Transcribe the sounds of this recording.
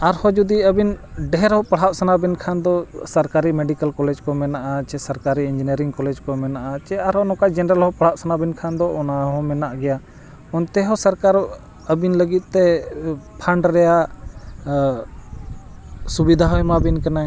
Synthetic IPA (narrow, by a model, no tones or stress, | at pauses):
aɾhɔd͡ʒud̪iəbinɖɛɦɾhɔpaɽ̤aʔsanabinkʰand̪ɔsəɾkaɾimɛɖikəlkɔlɛd͡ʒkɔmɛnaʔat͡ʃɛsəɾkaɾiind͡ʒiniəɾiŋkɔlɛd͡ʒkɔmɛnaʔat͡ʃɛaɾhɔnɔ̃kad͡ʒɛnɛɾəlɦɔpaɽ̤aʔsanabinkʰand̪ɔʔɔnaɦɔ̃mɛnaʔɡɛja | ɔnt̪ɛɦɔsəɾkaɾ | əbinləɡit̪̚ˀt̪ɛpʰaɳɖɾɛja | subid̪ʱaɦɔjɛmabinkana